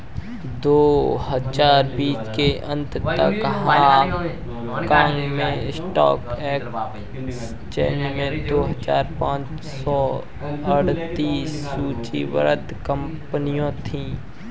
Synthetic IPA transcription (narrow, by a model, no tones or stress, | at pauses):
d̪oːhəd͡ʒaːɾbiːt͡ʃkeʔə̃nt̪t̪əkɦã | kãːŋɡmẽɪsʈɔ̰ːkɛːk | s | t͡ʃɛ̰ːnmẽd̪oːɦəd͡ʒaːɾpãːt͡ʃ | sɔ | əɽt̪iːsːuːt͡ʃḭwə̰ɾət̪kə̃mpnijõt̪ʰĩː